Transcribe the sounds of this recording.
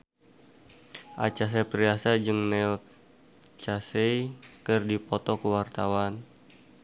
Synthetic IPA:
ʔa̰t͡ʃas̬epɾiasad͡ʒɨŋnɛl | t͡ʃasejkɨrdipɔt̪ɔkəwart̪awan

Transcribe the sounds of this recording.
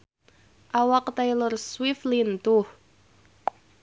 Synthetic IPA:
awaqt̪ajilərswiflint̪uh

